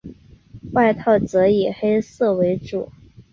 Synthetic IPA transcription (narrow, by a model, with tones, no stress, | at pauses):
wa˥˧ɪt̪ʰɑ˥˩ʊt͡sɤ˧˥i˨˩xe˥ɪsɤ˥˩we˧˥ɪʈ͡ʂṵ˨˩˦